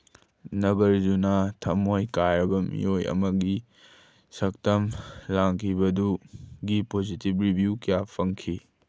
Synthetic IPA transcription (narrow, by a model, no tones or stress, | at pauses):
nɐɡɐɾd͡ʒunatʰɐmojkajɾɐbɐmḭjojɐ̰mɐɡi | sɐk̚tɐmlaŋkʰibɐduɡipozitibɾibʱjukijapʰɐŋkʰi